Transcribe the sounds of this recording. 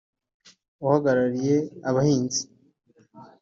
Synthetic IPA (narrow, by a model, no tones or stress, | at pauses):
uhaɡaɾaɾije̞aβahiːnzi̥